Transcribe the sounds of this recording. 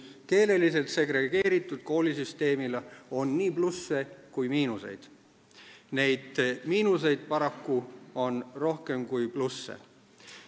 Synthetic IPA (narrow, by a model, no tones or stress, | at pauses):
ke̞ːle̞lise̞lt̪se̞ɡɾe̞ɡ̥e̞ːɾit̪ːˑud̪̥̚ko̞ːlisyst̪e̞ːmileo̞nːiːplusːe̞kujmiːnuse̞̰jd̪̥ | ne̞jd̪̥miːnuse̞jd̪̥̚pɑɾɑkːuo̞nro̞hke̞mkujplusːḛ